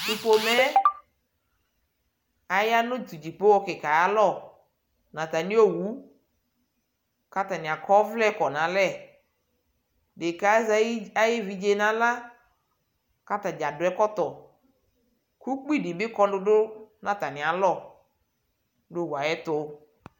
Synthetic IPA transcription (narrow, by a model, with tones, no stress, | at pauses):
tu˨po˨mɛ˦ | a˨ja˦nʊ̃˦tu˨d͡ʒi˨po˦wɔ˦kɪ˨ka˨ja˦lɔ˦˨ | nã˨ta˨ni˦o˦wu˨˦ | ka˦ta˨nɪ˨a˨kɔ˦vlɛ˦kɔ˨nã˨˦lɛ˦˨ | de˨ka˨˦za˦jɪ˦vi˨d͡ʒe˨nã˨˦la˦ | ka˦ta˨d͡ʒa˨dʊ˨ɛ˦kɔ˦t̪ɔ˨ | ku˦k͡pi˦˨dɪ˨bɪ˦kɔ˦dʊ˦dʊ˦nã˨ta˨nɪ˨a˨lɔ˦˨ | dʊ˦˨wa˨jɛ˦tʊ˦